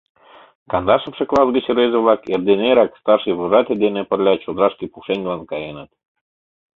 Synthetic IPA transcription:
kɑnd̪ɑʃɤ̆fʃɤklˠɑsɡət͡ɕɾezeβlɑkerd̪eneɾɑkst̪ɑrʃɨjβoʒɑt̪ʲelʲd̪enĕpə̆rlʲɑt͡ɕod̪ɾɑʃkipuʃeŋʲɡlɑnkɑjenət̪̚

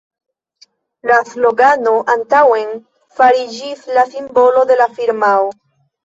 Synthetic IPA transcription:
laslo̞ɡano̞ʔantawe̞n | faɾid͡ʒislasimbo̞lo̞de̞lafiɾmao

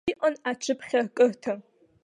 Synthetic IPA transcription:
ʔʷʼɐnat͡ʃʰɨpʰχʲɐrkʼɨrtʰɐ

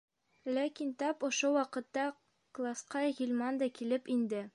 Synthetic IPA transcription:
lækint̪ɒpŏʃowɒqɤ̆t̪ːɑ | klˠasqɑɣʲilʲmɑnd̪ɑkilɘpind̪ɘ

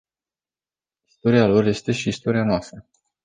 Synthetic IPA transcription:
ist̪o̞ɾialo̞rje̞st̪e̞ʃiːst̪o̞ɾijanoast̪ɾə

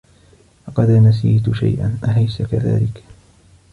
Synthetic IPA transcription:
lɑqɑd̪anas̬iːt̪ʊʃa̰jʔa̰nʔaɦajskaða̰ːlɪk

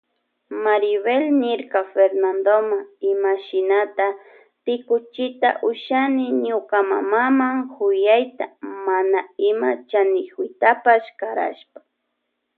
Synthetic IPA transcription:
maɾɪβelnɪɾkafeɾnand̪omaɪmaʃɪnat̪a | t̪ɪkʊt͡ʃɪt̪a̰ʔʊʃanɪɲʊkama̰mamaŋhʊjajt̪amanaɪmat͡ʃanɪxʊjt̪apaʃkaɾa̰ʃpḁ

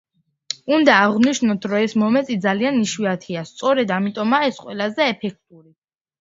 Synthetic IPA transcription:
und̪aːʁniʃnɔt̪ʰɾɔɛsmɔmɛt̪ʼid̪zalianiʃwiat̪ʰiast̪sʼɔɾɛd̪amit̪ʼɔmaɛsqʼwɛlazɛːpʰɛk̚ʰt̪ʼuɾi

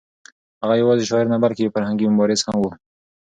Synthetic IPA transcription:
haɣajawɑzeʃɑɪɾnabaɾkefaɾhaŋɡimʊbɑɾɪz̥hamwu

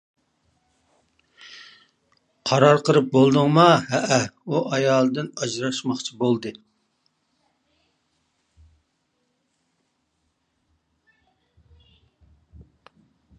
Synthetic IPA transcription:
qʰɑɾɑɾqəɾɨp̚bolˠd̪ɨŋmɑhɛʔɛuʔɑjɑːlˠɨd̪ɨnɑd͡ʒɾɑʃmɑχt͡ʃʰibolˠd̪ɨ

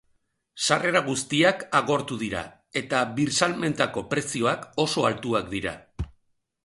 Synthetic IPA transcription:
sare̞ɾaɣ̞ust̪iakaɣ̞o̞ɾt̪uðiɾa̰ | e̞t̪aβiɾsalme̞nt̪ako̞pɾe̞sio̞ako̞so̞alt̪uakd̪iɾa̰

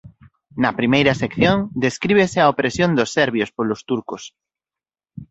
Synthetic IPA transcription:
nɐpɾimejɾɐsekθjõŋd̪eskɾiβeseaopɾesjõnd̪osːɛɾβjospolost̪uɾkos

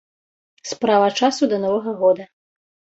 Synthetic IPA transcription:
spɾavɐt͡ʂasud̪ɐnɔvɐɣɐɣɔd̪ɐ

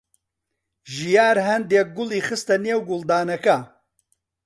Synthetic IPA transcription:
ʒijaːɾɦɐnd̪eːk̚ɡʊliːxɨst̪ɐneːwɡʊlˠd̪aːnɐkɐ

